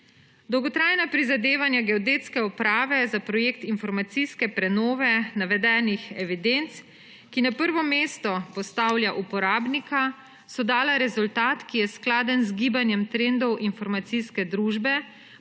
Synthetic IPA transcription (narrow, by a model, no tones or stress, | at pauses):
d̪ɔwɡɔt̪ɾaːjnapɾizad̪eːʋanjaɡɛɔd̪eːt̪skɛupɾaːʋɛzapɾɔjekt̪infɔɾmat̪siskɛpɾɛnɔːʋɛnaʋɛd̪ɛːnixɛʋid̪ent̪s | kinapəɾʋɔmeːst̪ɔpɔst̪awljaʔupɔɾaːbnika | sɔd̪aːlaɾɛzult̪aːt̪kijɛsklaːd̪ənzɡiːbanjɛmt̪ɾend̪ɔwʔinfɔɾmat̪siskɛd̪ɾuʒbɛ